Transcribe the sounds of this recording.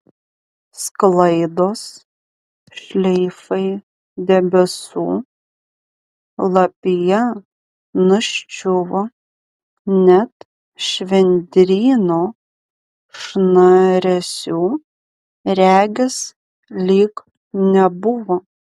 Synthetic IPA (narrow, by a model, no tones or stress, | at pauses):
sklˠɐɪd̪oːs | ʃʲlʲɛɪfɐɪ | d̪ʲɛbʲɛsṵː | lˠɐpʲɪjɛ | nʊʃʲt͡ʃʲʊʋo | nʲɛt̪ | ʃʲʋʲɛnʲd̪ʲɾʲiːnoː | ʃnɐɾʲɛsʲuː | ɾʲæːɡʲɪs | lʲiːk | nʲɛbʊʋoː